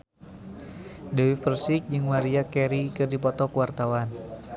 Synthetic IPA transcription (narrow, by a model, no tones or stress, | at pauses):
dɛwifərsik̚d͡ʒɨŋmaɾiakɛɾikɨrdipɔt̪ɔkuwart̪awan